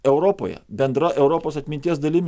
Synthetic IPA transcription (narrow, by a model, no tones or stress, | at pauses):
ɛʊɾoːpo̰jɛ̰bʲɛnd̪ɾɐʔɛʊɾopoːsɐt̪ʲmʲɪnʲt̪ʲiɛsd̪ɐlʲɪmʲ